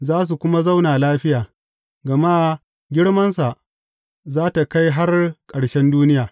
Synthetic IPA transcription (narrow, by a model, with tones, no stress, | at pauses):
zaː˦s̬u˨kʷʊ˦ma˦za˦wnaː˨laː˦ɸɪ˦jaː˨ | ɡɐ˨ma˦ | ɡʲɪ˦ɽmɐ˦nsa˨ʔ | zaː˦ta˨ka˦jɦa˦rkʼɐ˨ɽʃɛ˦nduː˦nɪ˦jaː˨